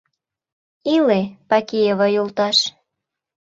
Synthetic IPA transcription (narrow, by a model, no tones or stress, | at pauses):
ilepɑkijeβɤjult̪ɑʃ